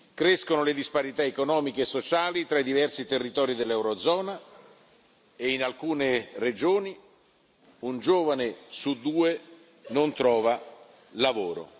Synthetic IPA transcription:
kɾeskonoled̪ispaɾit̪aekonɔːmikeːsːot͡ʃaːlit̪ɾaid̪ivɛrsit̪erːit̪ɔːɾid̪elːɛwɾod̪zɔːna | einalkuːnered͡ʒoːni | und͡ʒoːvanesud̪ːuːe | nont̪ɾɔːva | lavoːɾo̰

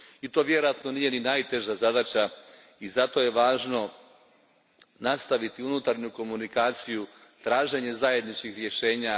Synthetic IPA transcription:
it̪o̞ːʋje̞ɾojat̪no̞nije̞ninajt̪e̞ʒazad̪at͡ɕa | izat̪o̞je̞ʋaːʒno̞ | nast̪aʋit̪iunut̪aɾɲuko̞munikaːt̪siju | t̪ɾaːʒe̞ɲe̞zaje̞d̪nit͡ʃkixɾje̞ʃe̞ːɲa

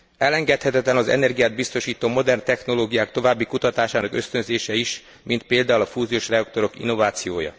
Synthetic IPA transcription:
ɛlɛŋɡɛt̪hɛt̪ɛt̪lɛnɒzɛ̰nɛrɡijaːd̪̚bist̪o̞ʃiːt̪oːmo̞d̪ɛrnt̪ɛxno̞loːɡijaːk̚t̪o̞vaːbːikut̪ɒt̪aːʃaːnɒkø̞st̪ønzeːʃɛiʃ | mint̪̚peːld̪aːulɒfuːzioːʃrɛɒk̚t̪o̞ɾo̞kḭnːo̞vaːt̪sijoːjɒ̰

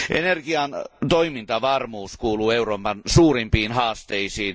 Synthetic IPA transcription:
ʔḛnerɡ̥iɑnt̪oimint̪ɑʋɑrmuːskuːluːeuroːpɑnsuːrimpiːnhɑːst̪eisiːn

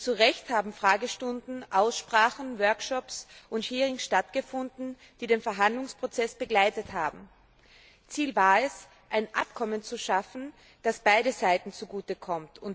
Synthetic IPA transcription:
t͡suʁɛçthaːbm̩fʁ̥aːɡəʃtʊndn̩ʔaʊsʃpʁ̥aːχn̩vœɐkʃɔpsʔʊnthiːʁɪŋsʃtatɡ̥əfʊndn̩ | d̥iːdeːnfɛɐɦandlʊŋspʁ̥ot͡sɛsb̥əɡlaɪtətha̰ːbm̩ | t͡siːlvaːɐɛs | ʔaɪnʔa̰p̚kʰɔmənt͡suʃafn̩ | d̥asb̥aɪɾəzaɪtn̩t͡suɡuːtəkʰɔmtʰʊnt

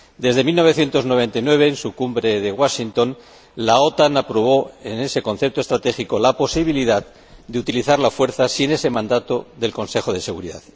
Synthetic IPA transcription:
d̪e̞zðe̞milno̞β̞e̞θje̞nt̪o̞znoβ̞ẽ̞nt̪ajnwe̞β̞e̞ːnsukumbɾe̞ðe̞ɣwaʃint̪o̞n | lao̞t̪anapɾo̞β̞o̞ene̞se̞ko̞nθe̞p̚t̪oe̞st̪ɾat̪e̞xiko̞lapo̞siβ̞iliðað | d̪eut̪iliθaɾlafwe̞ɾθasine̞se̞mãnd̪at̪oðe̞lko̞nse̞xo̞ð̞e̞se̞ɣuɾiða̰ð

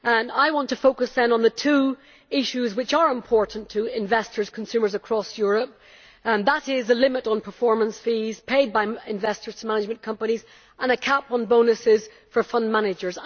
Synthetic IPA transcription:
ə̃naɪwɑ̃ntʰɨfoʊkɨsðə̃nə̃nðətʰʉ | ɪʃʉzwɪt͡ʃə˞ɪ̃mpʰɔɹʔn̩tʰəɪ̃ɱvɛstə˞z̥kʰə̃n̩sʉmə˞zəkʰɹ̥ɔsjʊɹəp̚ | ðəɾɪzəlɪ̃mɪɾn̩pʰə˞fɔɹmə̃nsfiz̥pʰeɪd̚baɪɪ̃ɱvɛstə˞z̥tʰəmanɪd͡ʒmə̃nkʰʌ̃mpəñiz | ʔə̃nɨkʰapn̩bõʊnɨsɪz̥ | fə˞fʌ̃ndmanɪd͡ʒə˞z

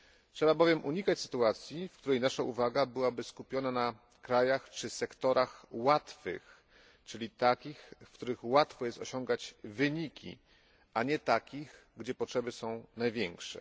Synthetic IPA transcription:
ʂɛbabɔvʲjɛmʔuɲikat͡ɕsɘ̥t̪uat̪sʲjifkt̪uɾɛjnaʂaʔuvaɡabɘwabɘskupʲjɔnana | kɾajaxt͡ʂɘsɛkt̪ɔɾʔaxwat̪fɘ̰x | t͡ʂɘlʲit̪akʲixfkt̪uɾɘxwat̪fɔjɛst̪ɔɕɔ̃ŋɡad͡ʑvɘɲikʲḭ | ʔaɲɛt̪akʲixɡd͡ʑɛpɔtʂɛbɘsɔ̃w̃najvʲjɛŋkʂɛ̰

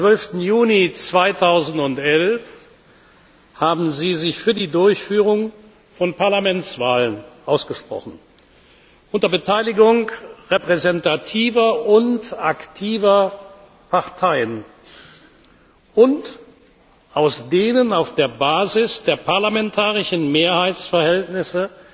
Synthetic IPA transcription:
t͡sv̥œlftn̩juːlit͡sv̥aɪtʰaʊzn̩tʊntʔɛlf | haːbm̩ziːzɪçfyːɐdiːdʊɐçfyːʁ̞ʊŋ | fɔnpʰaɐlamɛnt͡sv̥aːlənʔaʊsɡ̥əʃpʁ̥ɔ̰χn̩ | ʔʊntɐbətʰaɪlɪɡʊŋʁepʁ̥ɛzɛntatʰiːvɐʔʊntaktʰiːvɐ | pʰaʁtʰaɪən | ʔʊnt | ʔaʊsd̥eːnənaʊfd̥eːɐbaːzɪsd̥eːɐpʰaɐlamɛntʰaːʁɪʃn̩meːɐhaɪt͡sfɛɐhɛltnɪsə

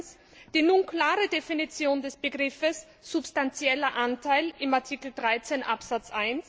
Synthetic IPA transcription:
s | d̥iːnunkl̥aːʁədefinit͡sjoːndɛsb̥əɡʁɪfəs | z̥ʊpstant͡sjɛlɐʔantʰaɪlɪmaɐtʰikl̩dʁaɪt͡senʔapsat͡sʔaɪns

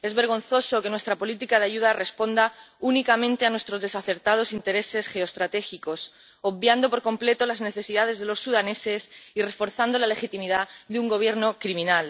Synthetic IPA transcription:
e̞zβeɾɣ̞õ̞nθo̞so̞ke̞nwe̞st̪ɾapo̞lit̪ikaðeaʝuðare̞spo̞nd̪aunikamẽnt̪eanwest̪ɾo̞zðe̞saθe̞ɾt̪að̞o̞sint̪e̞ɾe̞se̞sxe̞ost̪ɾat̪e̞xiko̞s | oβbjand̪opo̞ɾko̞mple̞t̪o̞lazne̞θe̞siðað̞e̞zðe̞lo̞sːuðane̞se̞sirefo̞ɾθand̪o̞lale̞xit̪imiðaðeuŋɡo̞β̞je̞ɾno̞kɾimĩnal

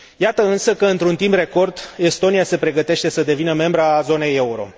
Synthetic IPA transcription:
jat̪əɨnsəkəɨnt̪ɾunt̪impre̞ko̞rd̪e̞st̪o̞nijase̞pɾe̞ɡət̪e̞ʃt̪e̞səd̪e̞vinəme̞mbɾazo̞ne̞jeuɾo̞̰

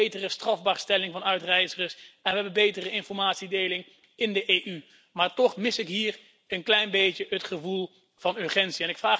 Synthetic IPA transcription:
ejtərəstrɑvbaːɹstɛlɪŋvɑnœɥtrɛjzərəsɛnʋəɦɛbənbejtərəɪnfɔɹmaːtsidejlɪŋ | ɪndəʔeːʔy | maːɹtɔχmɪsɪkɦiːɹ | ənklɛjnbejtjəɦətχəvulˠ | v̥ɑnɵɹχɛntsiɛnɪkfraː

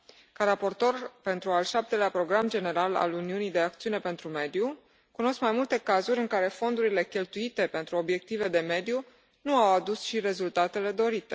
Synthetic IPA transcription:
kaɾapo̞rt̪o̞rpe̞nt̪ɾualʃap̚t̪e̞leapɾo̞ɡɾamd͡ʒe̞ne̞ɾala̰luniunijd̪e̞akt̪siune̞pe̞nt̪ɾume̞d̪ju | kuno̞skmajmult̪e̞kazuɾʲɨŋkaɾe̞fo̞nd̪uɾile̞kʲe̞lt̪uit̪e̞pe̞nt̪ɾuo̞bje̞k̚t̪ive̞d̪e̞me̞d̪ju | nuawad̪usʃiɾe̞zult̪at̪e̞le̞d̪o̞ɾit̪e̞

